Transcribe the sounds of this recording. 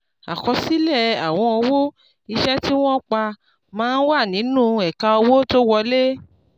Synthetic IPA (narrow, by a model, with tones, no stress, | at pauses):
a̰˨kɔ˧si˨˦lɛ˦˨a˨w̃ɔ̃˧ɔ˧wo˦ | i˧ʃɛ˦ti˦w̃ɔ̃˦k͡pa˧ | mãː˨˦n̩˦wa˦˨nĩ˨˦nũ˦˨ɛ˨ka˧ɔ˧wo˦to˦wɔ˧le˦